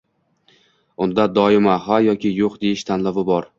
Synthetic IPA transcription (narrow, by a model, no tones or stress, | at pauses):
ʊnd̪ad̪ɒɪmaɦajɒkʲɪjoqd̪e̞jɪʃt̪ʰanlavɪbɒɾ